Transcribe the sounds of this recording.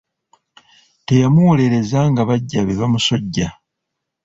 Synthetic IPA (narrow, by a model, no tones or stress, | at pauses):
te̞jamuwo̞le̞ɾe̞zaŋɡaβaɟːaβeβamuso̞ɟːa